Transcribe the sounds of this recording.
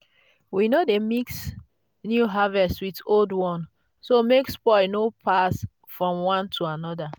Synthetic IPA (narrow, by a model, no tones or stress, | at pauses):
winodemiks | njuɦavɛstwitoldwɔ̃n | somekspɔnopʰas | fɹɔ̃mwãntʰuanɔda